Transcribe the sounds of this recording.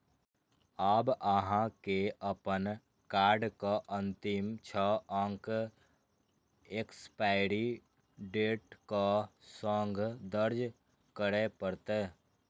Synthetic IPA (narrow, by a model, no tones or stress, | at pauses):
aːbəɦãkeəpən | kaːɾɖkaʔə̃nt̪ɪmt͡ʃʰɔə̃ŋk | ekspaːɪɽi | ɖeːʈkasɔ̃ːŋɡd̪əɾd͡ʒ | kəɾepəɾt̪eː